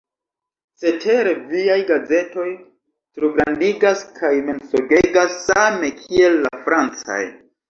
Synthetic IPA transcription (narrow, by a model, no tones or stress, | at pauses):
se̞tʰe̞ɾeviajɡaze̞to̞j | tɾuɡɾandiɡaskʰajme̞nsoɡe̞ɡasːame̞kʰie̞lːafɾant͡sa̰j